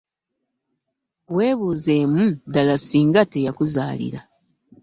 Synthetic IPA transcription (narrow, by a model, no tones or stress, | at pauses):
we̞ːβuːze̞mudalasiːŋɡate̞jakuzaːlḭɾa̰